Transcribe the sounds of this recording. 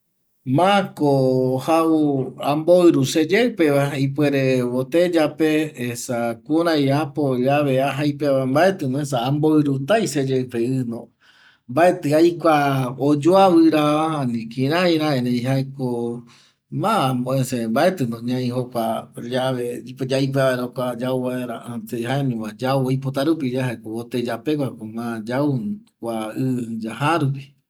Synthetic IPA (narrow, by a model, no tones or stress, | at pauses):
mãkohauãmboɨɾused͡ʒewpeβaip̬weɾeβot̪ed͡ʒape̞ːsakuɾãjapojaβeaɦajpeʋambae̞t̪ɨnões̬aːmboɨɾut̪ajsed͡ʒepeɨnõ | mbae̞t̪ɨajkʷaod͡ʒoaβɨɾaahanĩkĩɾãiɾaeɾẽiɦaeko | mãmbõesembaet̪ɨnõɲãĩhokʷad͡ʒaβeipd͡ʒaip̬eβaeɾokʷad͡ʒauβaeɾaat̪eɦaemĩmãd͡ʒauojp̬ot̪aɾupid͡ʒaɦaekoot̪ed͡ʒapekʷakomãd͡ʒaukʷaɨd͡ʒahaɾupi̥